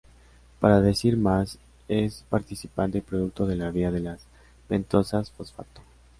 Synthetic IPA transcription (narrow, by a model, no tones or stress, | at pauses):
paɾaðe̞siɾmas | espaɾt̪isipant̪epɾoðuk̚t̪o̞ðe̞laβiaðe̞las | b̥ent̪o̞sasfosfa̰t̪o̥